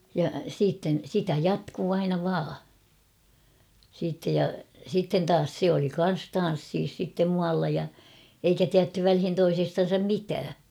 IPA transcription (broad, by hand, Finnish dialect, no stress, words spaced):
jɑ siːtːen̞ sitæ jɑtkuː ɑinɑ ʋɑː siːtːej jɑ sitːen tɑːs se oli kɑn̞s tɑn̞sːiːs sitːem muɑlːɑ jɑ eikæ tiætːy ʋælhin toisestɑn̞sɑm mitæː